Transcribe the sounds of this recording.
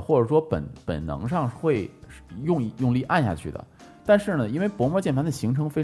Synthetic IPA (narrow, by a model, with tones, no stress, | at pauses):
xwɔ˥˩ʈ͡ʂɤ˨˩ʂwɔ˥pə̰˨˩npə̰˨˩nnɤ̰˧˥ŋʂɑ˥˧ŋxwe˥˧˩ɪʂjʊ˥˧ŋ˧˥jʊ˥˧ŋli˥˧ʔa˥˧nɕja̰˥˧t͡ɕʰy˥˩d̪ə̰˩ | t̪a˥˧nʂɻ̩˥˩nə˩i˥nwe˥˩ɪpwɔ˧˥mɔ˥˧t͡ɕjɛ˥˩nfʰa˧˥nd̪ə˨ɕi˧˥ŋʈ͡ʂʰɤ˧˥ŋfe˥ɪ